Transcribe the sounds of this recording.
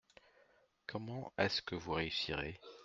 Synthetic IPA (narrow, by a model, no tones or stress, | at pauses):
kʰɔmɑ̃ɛskəvuʁeysiʁe